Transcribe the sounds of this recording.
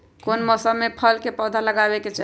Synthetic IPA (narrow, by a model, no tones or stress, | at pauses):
konmɔsəmːepʰəlkepəd̪ʱaləɡabeket͡ʃa